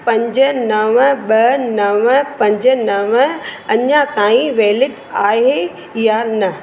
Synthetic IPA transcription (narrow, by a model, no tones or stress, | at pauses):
pɐ̃ɲd͡ʑə̆nɐʋəɓɐnɐʋəpɐ̃ɲd͡ʑənɐʋəɐɲãkaːĩʋeːlɪʈ | aːɦe | janɐ